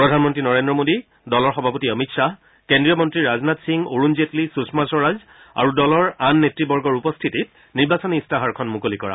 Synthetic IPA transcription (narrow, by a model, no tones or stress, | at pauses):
pɹɔdʱanmɔntɹinɔɹendɹɔmodi | dɔlɔɹxɔbʱapotiəmitsa | kendɹijɔmɔntɹiɹaznatsiŋoɹunzetlisusmasɔɹaz | a̰ɹudɔlɔɹanːetɹibɔɹɡɔɹupɔstʰitit̚ | niɹbasɔniːstaɦaɹkʰɔnmukolikɔ̰ɹa̰